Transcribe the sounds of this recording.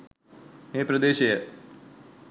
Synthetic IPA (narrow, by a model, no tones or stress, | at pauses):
eːpɾɐd̪eːɕɐje